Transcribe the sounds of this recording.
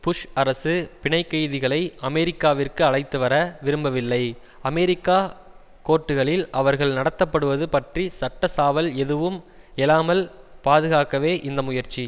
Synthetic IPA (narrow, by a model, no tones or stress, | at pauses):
pʊʂɐɾɐsɯpɪɳɐɪkːɐjðɪɣɐɭɐɪʔɐmɛɾɪkːaːʋɪrkɯɐɭɐɪt̪ːɯʋɐɾɐʋɪɾɯmbɐʋɪlːɐɪ | ɐmɛɾɪkːaː | koːʈːɯɣɐɭɪlʔɐʋɐɾɣɐɭnɐɽɐt̪ːɐpːɐɽɯʋɐðɯpɐʈrisɐʈːɐsaːʋɐlɛðɯʋɯm | ɛlaːmɐlpaːðɯɣaːkɐʋeːʔɪnd̪ɐmʊjɐɾt͡ʃi